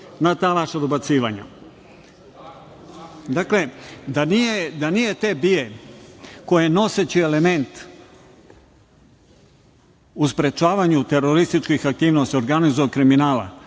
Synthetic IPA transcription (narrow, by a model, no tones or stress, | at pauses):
nat̪aːʋaʃad̪obat̪siːʋaɲa̰ | d̪akle̞d̪anijed̪anije̞t̪ebije̞ | ko̞jeno̞set͡ɕiele̞me̞nt̪ | uspɾe̞t͡ʃaːʋaɲut̪e̞ɾoɾist̪it͡ʃkixak̚t̪iːʋnost̪io̞ɾɡanizujekɾiminaːla̰